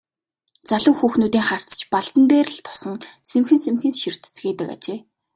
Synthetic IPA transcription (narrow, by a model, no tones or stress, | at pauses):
t͡saɮʊ̆ːxuːxnuːt̪iːŋχar̥t͡st͡ɕpaɮt̪ə̆np̪eːrə̆ɮt̪ʰʊ̥sə̆ŋsemxɘ̆nsemxɘ̆nʃir̥t̪ɘt͡sɡeːt̪ə̆ka̰t͡ɕeː